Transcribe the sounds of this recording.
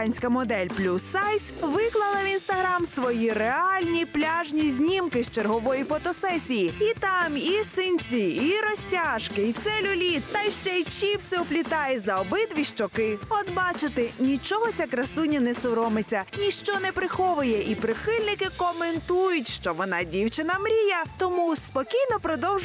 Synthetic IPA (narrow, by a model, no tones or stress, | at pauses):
nʲsʲkɐmɔd̪ɛlʲplʲusːajsʲʋɪklˠɐlˠɐʋʲinst̪ɐɦɾamsʋɔjiɾeɑlʲnʲiplʲaʒnʲizʲnʲimkɪst͡ʃerɦɔʋɔjifɔt̪ɔsɛsʲijiit̪ɑmisɪnʲt͡sʲiiɾɔsʲtʲaʒkɪit̪sɛlʲʊlʲit̪ːɐjʃt͡ʃɛt͡ʃiwsɛɔplʲit̪ɑjɛzɐɔbɪd̪ʋʲiʃt͡ʃɔkɪɔd̪bɑt͡ʃɪt̪ɪnʲit͡ʃɔɦɔt͡sʲakɾɐsunʲːɐnɛsʊɾɔmɪt͡sʲɐnʲiʃt͡ʃɔnɛpɾɪxɔʋʊjɛʔipɾɪxɪlʲnɪkɪkɔment̪ujʊtʲʃt͡ʃɔʋɔnɑdʲiwt͡ʃɪnɐmɾʲijɐt̪ɔmuspɔkʲijnɔpɾɔd̪ɔwʒʊ